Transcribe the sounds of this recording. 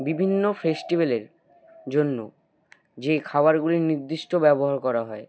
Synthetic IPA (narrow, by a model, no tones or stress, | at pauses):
bibʱinːofesʈibeleɾ | d͡ʑonːo | d͡ʑekʰabaɾɡuliɾniɾd̪ːiʃʈobɛboɦaɾkɔɾaɦɔe